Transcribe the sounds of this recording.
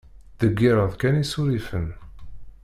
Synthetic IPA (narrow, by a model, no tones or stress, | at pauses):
ðəɡːiɾˤəðkænisuɾifən